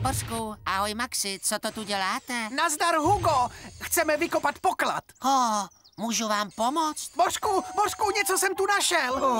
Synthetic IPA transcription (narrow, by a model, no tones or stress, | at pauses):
boskuʔaɦojmaksɪt͡sot̪ot̪uɟɛlaːt̪ɛnazdaɾɦuɡoxt͡sɛmɛvɪko̞pat̪pokla̰t̪ho | muːʒuvaːmpomot͡st̪boskuboskuɲɛt͡sosɛmt̪unaʃɛl